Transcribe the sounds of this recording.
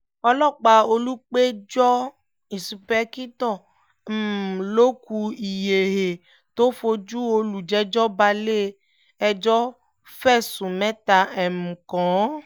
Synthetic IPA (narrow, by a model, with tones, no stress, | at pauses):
ɔ˦lɔ˦˨k͡pa˨o˦lu˦k͡pe˦d͡ʒɔ˦ | i˨su˨pɛ˦ki˦t̪ɔ˦˨ | lo˦ku˧i˨je˨ɦe˨ | t̪o˦fo˧d͡ʒu˦wo˦lu˨d͡ʒɛ˦d͡ʒɔ˦ba˧le˦ | ɛ˨d͡ʒɔ˦ | fɛ˦˨sũ˨mɛ̃˦t̪a˨ɛ˨mũ˨kɔ̃˨˦